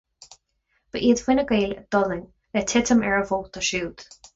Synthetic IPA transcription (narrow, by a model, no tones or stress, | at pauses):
b̥əʔiəd̪wɪnəɡeːld̪̥ɔðɪŋ | lɛt̪ʰɪt̪ʰəmɛɹəvoːt̪ʰəʃuːd̪̥